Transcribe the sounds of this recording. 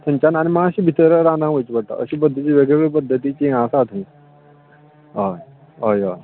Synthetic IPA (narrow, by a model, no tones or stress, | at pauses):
t̪ʰə̃ɲt͡ɕanañimaaɕibʱit̪əɾəɾãnãʋəjt͡ɕbəɽt̪a̰ə̰ɕipəd̪ʱːət͡ɕiːʋeɡɭeɡɭepəd̪ʱːət̪it͡ɕiãsat̪ʰĩ | ɦa | ɦaja